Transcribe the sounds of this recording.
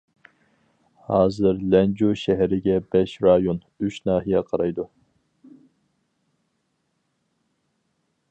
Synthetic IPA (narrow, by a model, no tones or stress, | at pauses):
hɑːzɨɾlɛnd͡ʒuʃɛɦɛɾɪɡʲɛbɛʃɾɑjon | yʃnɑːɦijɛqʰɑɾɑjd̪u